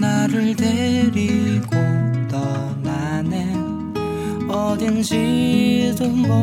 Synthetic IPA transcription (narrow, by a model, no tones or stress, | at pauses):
naɾɯɭd̪eɾiɡot̪ʌ | nane | ʌd̪ɯnɕʰidɯmo